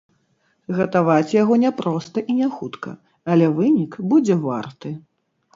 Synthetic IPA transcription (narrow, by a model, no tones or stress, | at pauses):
ɣɐt̪avat͡sʲjaɣɔnʲɛpɾɔst̪ɐʔinʲɛxut̪kɐ̰ | ɐlʲɛvɨnʲikbud͡zʲɛva̰rt̪ɨ